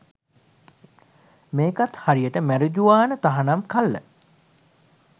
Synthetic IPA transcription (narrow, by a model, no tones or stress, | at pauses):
meːkat̪haɾijəʈəmæɾud͡ʒuʋaːnət̪aɦanamkalːə̰